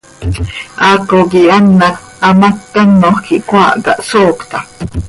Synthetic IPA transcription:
ʔakoɡianːak | amakːanːohkiʔkwaʔɡa̰ʔsoːkt̪a

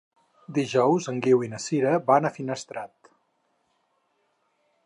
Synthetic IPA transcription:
d̪iʒɔwzəŋɡiwinəsiɾəbanəfinəst̪ɾat̪

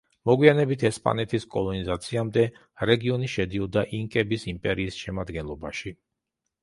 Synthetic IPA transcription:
mɔɡwianɛbit̪ʰɛspʼa̰nɛt̪ʰiskʼɔlˠɔnizat̪sʰiamd̪ɛ | ɾɛɡiɔniʃɛd̪iɔd̪aʔiŋkʼɛbisimpʼɛɾiːsʃɛmad̪ɡɛnlˠɔbaʃi

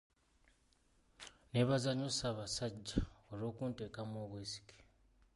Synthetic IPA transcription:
ne̞βazaɲosaːβasaɟːaolo̞ːkuːnte̞ːkamoːβweːsi̥ke̥

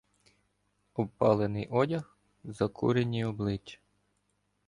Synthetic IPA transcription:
ɔpɑlˠenɪjʔɔdʲɐx | zɐkʰṵɾenʲiɔblˠɪt͡ʃːɐ̥

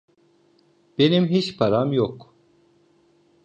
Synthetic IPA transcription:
b̥e̞nimɦit͡ʃpʰaɾamjok

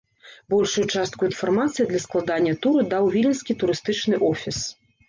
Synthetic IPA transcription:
bɔlʲʂujut͡ʂast̪̚kuinfarmat̪sɨjid̪lʲɐsklˠad̪anʲːɐt̪uɾɨd̪awvʲilʲinskʲit̪uɾɨst̪ɨt͡ʂnɨʔɔfʲis

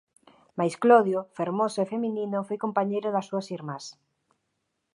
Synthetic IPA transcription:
majskloðjofeɾmosoefemininofojkompaɲejɾʊðasːuasiɾmas

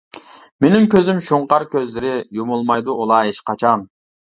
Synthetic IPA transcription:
menɪmkʲʰøzymʃoɴqɑɾkʲøzlɪɾɪjomulˠmɑjd̪uʔolˠɑːɦeʃqʰɑt͡ʃʰɑn

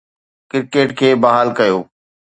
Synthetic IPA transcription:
kɪɾkeːʈkʰeːbɐɦaːlkɐjoː

